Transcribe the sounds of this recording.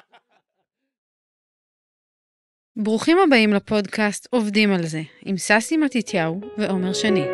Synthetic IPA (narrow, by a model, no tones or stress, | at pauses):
bʁuχimhabaimlapo̞dkastʰo̞vdimalze̞imsasimatitʰjawveʔo̞me̞ʁʃeni